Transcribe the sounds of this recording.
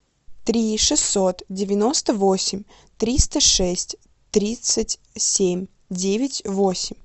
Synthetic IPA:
t̪ɾʲiʂɨsːo̞t̪dʲɪvʲɪno̞st̪əvo̞sʲɪmʲ | t̪ɾʲist̪əʂɛsʲtʲ | t̪ɾʲit̪sɨtʲ | sʲemʲ | dʲevʲɪtʲvosʲɪmʲ

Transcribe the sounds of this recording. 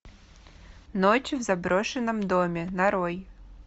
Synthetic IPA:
not͡ɕvzɐbɾɔʂɨnːəmd̪omʲɪnɐɾɔj

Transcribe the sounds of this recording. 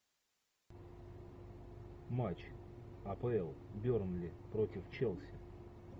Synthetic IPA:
mat͡ɕɐpəɛlˠbʲornlʲɪpɾotʲɪft͡ɕɛlˠsʲɪ

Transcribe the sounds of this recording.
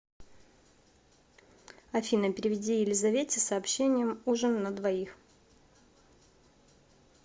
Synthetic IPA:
ɐfʲinəpʲɪɾʲɪvʲɪdʲijɪlʲɪzɐvʲetʲɪsɐːpɕːenʲɪjəmuʐənːəd̪vɐix

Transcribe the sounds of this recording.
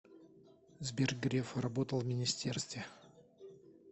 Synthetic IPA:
zbʲerɡɾʲefrɐbot̪əlˠvmʲɪnʲɪsʲtʲerst̪vʲɪ

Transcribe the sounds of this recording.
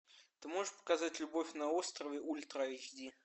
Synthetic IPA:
t̪ɨmɔʐəʂpə̥kazatʲlʲubɔfʲnɐɔst̪ɾɐvʲɛʔulʲt̪ɾaiʒʲd̪ʲi

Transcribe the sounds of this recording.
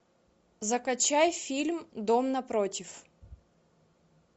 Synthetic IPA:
zɐkɐt͡ɕajfʲilʲmd̪omnɐpɾotʲɪf

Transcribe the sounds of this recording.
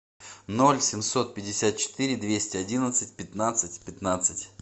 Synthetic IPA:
no̞lʲsʲɪmso̞t̪̚pʲɪdʲɪsʲat̪̚t͡ɕɪ̥t̪ɨɾʲɪd̪vʲesʲtʲɪɐdʲinət̪sɨt̚ʲpʲɪt̪nat̪sɨtʲpʲɪt̪nat̪sɨtʲ

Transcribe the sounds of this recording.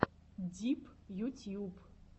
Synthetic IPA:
dipʰʼjutʰiup

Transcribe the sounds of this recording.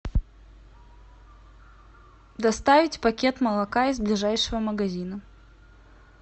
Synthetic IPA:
d̪ɐst̪avʲɪtʲpɐkʲe̞t̪məlˠɐkaizblʲɪʐajʂɨvəməɡɐzʲinə

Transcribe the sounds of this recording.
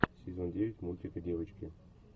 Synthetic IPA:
sʲɪzondʲeʋʲɪtʲmulʲtʲɪkədʲevət͡ɕkʲɪ

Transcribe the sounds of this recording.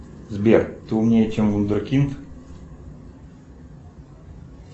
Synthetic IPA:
zbʲert̪ɨʊmnʲejət͡ɕɛmvund̪ərkʲint̪

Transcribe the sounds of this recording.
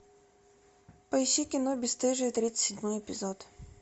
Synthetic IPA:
pəɪɕːikʲɪnobʲɪst̪ɨʐɨjt̪ɾʲit̪sə̥sʲɪdʲmojɛpʲɪzot̪

